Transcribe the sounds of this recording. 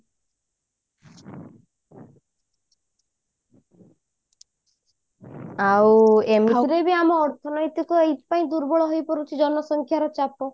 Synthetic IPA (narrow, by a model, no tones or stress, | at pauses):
awemiɦuɾebiamɔːɾt̪ʰɔnɔjt̪ikɔejt̪paĩd̪uɾbɔɭɔɦojpɔɾut͡ʃʰid͡ʒɔnɔsɔŋkʰjaɾɔt͡ʃapɔ